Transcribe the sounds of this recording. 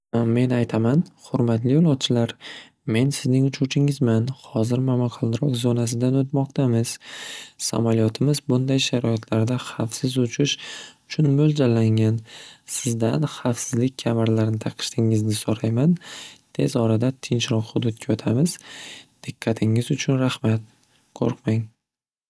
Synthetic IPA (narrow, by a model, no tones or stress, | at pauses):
me̞najt̪ʰamanhʊɾmat̪lɪjɒlˠɒt̪̚t͡ʃʰɪlaɾ | me̞nsɪznɪŋʊt͡ʃʰuwt͡ʃʰɪŋɪzmanhɒzɪɾmamaqʰɒlˠɾɒqzonas̬ɪd̪anot̪mɒq̚t̪ʰamɪz̥sa̰malijɒt̪ʰɪmɪzbʊnd̪ajʃaɾɒɪt̪ʰlaɾd̪aχafsɪzʊt͡ʃʰɪʃʊt͡ʃʰʊnmold͡ʒalːaŋansɪzd̪anχafsɪzlɪk̚ʲkʰamɪɾlaɾnɪt̪ʰaqʰɨ̥ʃt̪ʰɪŋɪznɪsoɾajmant̪ʰe̞zɒɾad̪at̪ʰɪnt͡ʃɾɒqhʊd̪ʊd̪̚kʲajɒt̪ʰamɪz̥d̪̥ɪqʰːɑt̪ʰɪŋɪzʊt͡ʃʰʊnɾahmat̪̚ | kʰo̰ɾqmaŋ